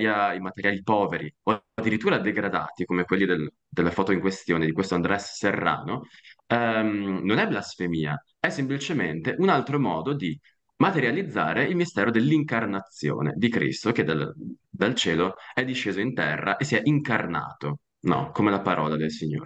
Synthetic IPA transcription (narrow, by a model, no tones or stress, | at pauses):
jaimat̪eɾjaːlipɔːveɾiod̪ːiɾit̪ːuːɾad̪eɡɾad̪a̰ːt̪ikomekwelːid̪el | d̪elːafɔːt̪oiŋkwest̪joːned̪ikwest̪oand̪ɾɛsːerːa̰ːnoɛmnonɛblasfemiːa | ɛsːemplit͡ʃement̪eʔunalt̪ɾomɔ̰ːd̪od̪i | mat̪eɾjalid̪zːa̰ːɾeilmist̪ɛːɾod̪elːiŋkarnat̪sːjo̰ːnḛd̪ikɾḭst̪ok̟ed̪a̰ld̪alt͡ʃeːloɛd̪iʃːeːzoint̪ɛrːa̰ʔesːiɛʔiŋkarna̰ːt̪o | nɔ̰komelapaɾɔ̰ːlad̪elsiɲːo̰ːɾe